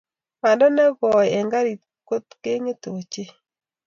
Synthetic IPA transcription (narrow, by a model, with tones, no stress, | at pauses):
ma˨ndɔ˦nɛ˦βɔ˨jɛ˨ŋɡa˦ɾi˨ | ko˦t̪ke˦ŋe˦t̪o˨t͡ʃe˦